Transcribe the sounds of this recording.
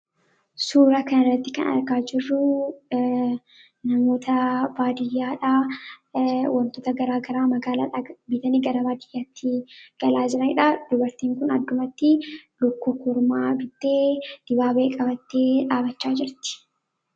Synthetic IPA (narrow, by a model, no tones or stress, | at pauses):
suːɾɐkɐnɐrːɐt̪ːɪkɐnɐ̰ɾkaːd͡ʒɪrːʊ | nɐmo̞ːt̪ʰɐbaːd̪ɪjːaːᶑaː | wɐnt̪oːt̪ɐɡɐɾaːɡɐɾaːmɐɡaːla̰ːᶑabɪt̪ɐniɡɐɾɐbaːd̪ɪjːaːt̪ʰːɪɡ̥ɐlaːd͡ʒɪɾɐnɪᶑad̪̥ʊbɐɾt̪iːŋkʊnɐ̰d̪ːʊmɐt̪ːɪlʊkːukːʊɾmaːbɪt̪ːeːd̪̥ɪbaːbeːkʼɐbɐt̪ːeːᶑaːbɐt͡ʃːaːd͡ʒɪɾt̪ɪ̥